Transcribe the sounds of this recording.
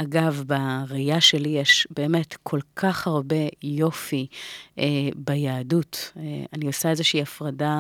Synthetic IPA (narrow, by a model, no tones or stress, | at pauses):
ʔaɡavbaʁejaʃe̞lijeʃbe̞ːme̞tkʰo̞lkʰaχhaʁbe̞jo̞fiebajaːdutanio̞saezeʃiiːafʁada